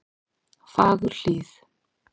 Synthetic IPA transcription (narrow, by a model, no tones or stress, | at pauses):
fak̬uɬiːsḁ